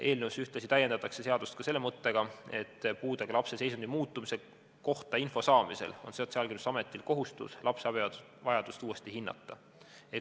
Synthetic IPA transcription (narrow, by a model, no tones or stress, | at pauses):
e̞ːlnewsyht̪lɑsit̪æjːe̞nd̪ɑt̪ːˑɑkse̞se̞ɑd̪̥ust̪̚kɑse̞lːemɤt̪ːe̞ɡ̥ɑe̞t̪ːpuːd̪̥eɡ̥ɑlɑpse̞se̞jsund̪imuːt̪ːˑumise̞ | ko̞ht̪ɑinfo̞sɑːmise̞̰lo̞̰nseot̪seɑlɡenysɑme̞t̪ˑːilko̞ɦust̪ṵslʔɑpseɑbi | vɑjɑd̪̥ust̪uːe̞st̪iɦinːɑ̰t̪ːˑɑ | e